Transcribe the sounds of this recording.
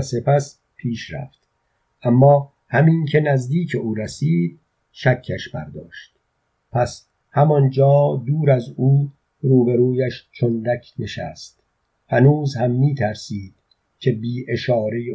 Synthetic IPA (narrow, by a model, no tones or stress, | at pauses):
se̞pʰæs | pʰiːʃɾæ̰ft̪ | ʔamːɒː | hæmiːnkʰe̞næzd̪iːcʰe̞ʔuːɾæsiːd̪̚ | ʃækʰːæʃbæ̰ɾd̪ɒ̰ːʃt̪ | pʰæs | hæmɒnd͡ʒɒːd̪uːɾæzuː | ɾuːbeɾuːjæʃt͡ʃʰond̪ækʰne̞ʃæ̰st̪ | hænuːzhæmːiːt̪ʰæɾsiːd̪̥ | cʲʰe̞biːʔe̞ʃɒːɾe̞j